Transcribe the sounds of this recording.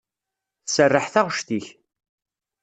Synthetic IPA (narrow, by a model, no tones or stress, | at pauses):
θsərːəħθaʁʃt̪iç